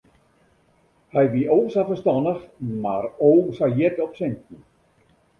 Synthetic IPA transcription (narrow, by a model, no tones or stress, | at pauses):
hɛjʋiʔowsafərstɔnəxmarowsajɛtɔpsɪntn̩